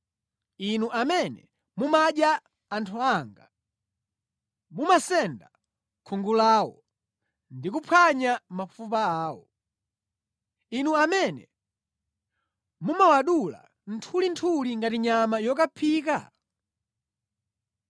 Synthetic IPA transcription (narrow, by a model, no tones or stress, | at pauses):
inuʔamɛnɛ̰ | mumaɗjaː | ntʰuaːŋɡa | mumasɛnda | kʰuŋɡulawɔ | ndikupʰwaɲamafupaaːwɔ̰ | inuamɛnɛ̰ | mumawaɗula̰ | n̩tʰulintʰuliŋɡatiɲamajɔkapʰiːka̰